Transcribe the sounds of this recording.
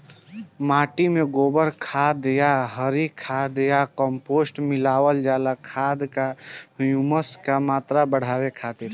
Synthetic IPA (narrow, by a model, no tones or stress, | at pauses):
maʈimeɡobəɾkʰad̪jaɦəɾikʰad̪jakəmposʈmilawəld͡ʒalakʰad̪kahjuməskamat̪ɾabəɽ̤abekʰat̪iɾ